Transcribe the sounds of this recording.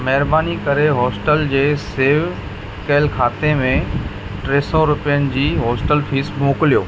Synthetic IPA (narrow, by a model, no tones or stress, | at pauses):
mɐɦɪɾbaːnikɐɾeɦɔːsʈəld͡ʑeːseːʋ | kɐlkʰaːt̪emẽ | ʈɾeːsɔɾʊpijənɪ̆d͡ʑiːɦɔːsʈəlfʰiːsmoːklijoː